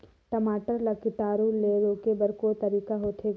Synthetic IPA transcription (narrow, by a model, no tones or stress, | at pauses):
ʈɐmaːʈəɾlɐkɪʈaːɾuleɾoːkebɐɾkot̪ɐɾiːkaɦoːt̪ʰe